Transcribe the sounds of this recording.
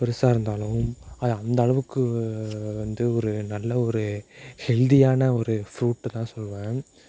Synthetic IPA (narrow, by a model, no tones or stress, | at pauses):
pɛɾɯsaːɾɯnd̪aːlɯmɐðɐnd̪ɐɭɐʋɯkːɯ | ʋɐnd̪ɯɔɾɯnɐlːɐɔɾɯhɛld̪ɪjaːnɐɔɾɯfɾuːʈːt̪ãːsɔlːʋẽː